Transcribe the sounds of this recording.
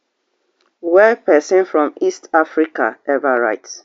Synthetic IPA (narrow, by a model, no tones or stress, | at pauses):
wɛpɛsɔ̃nfɹɔ̃mistafɹika̰ɛvəɹa̰ɪts